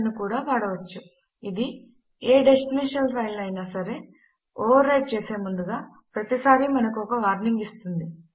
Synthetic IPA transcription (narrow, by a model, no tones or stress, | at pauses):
nːukuːɽaːʋaːɽɐʋɐt͡ʃːu | id̪i | eːɖe̞sʈineːʂɐlpʰɐjlɐjnaːsɐɾe̞ː | oːʋɐɾːɐjʈ̚t͡ʃe̞ːse̞ːmund̪uɡaː | pɾɐt̪isaːɾimɐnɐkɔkɐʋaːɾniŋɡist̪und̪i